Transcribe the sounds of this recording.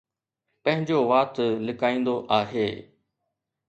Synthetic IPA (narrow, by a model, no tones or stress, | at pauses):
pɐ̃ɦɪ̃ɲd͡ʑoʋaːt̪lɪkaːĩːn̆d̪oʔaːɦeː